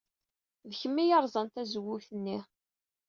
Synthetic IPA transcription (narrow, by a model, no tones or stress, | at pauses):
ðçəmːijɑɾˤzˤɑnt̪æzəwuθənːi